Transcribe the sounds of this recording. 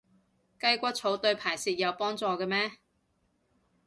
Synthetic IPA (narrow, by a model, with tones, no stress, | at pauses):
kɐ˥jkʷɐ˥t̚t͡sʰo˨˥wt̪ɵ˧ɥpʰaː˨˩jsiː˨˧t̚jɐ˨˧wpɔː˥ŋt͡sɔː˧kɛː˧mɛː˥